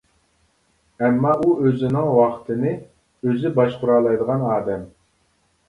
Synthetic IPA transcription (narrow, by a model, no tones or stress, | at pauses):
ɛmːɑʔuøzɪnɪŋwɑqʰt̪ʰɨnɨ | øzɪbɑʃqʊɾɑːlˠɑjd̪əʁɑnɑːd̪ɛm